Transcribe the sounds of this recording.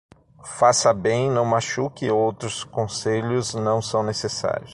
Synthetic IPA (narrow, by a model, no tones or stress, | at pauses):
fasɐbẽj̃nɐ̃w̃maʃukɪowt̪ɾʊskõseʎʊznɐ̃w̃sɐ̃w̃nesesa̰ɾjʊs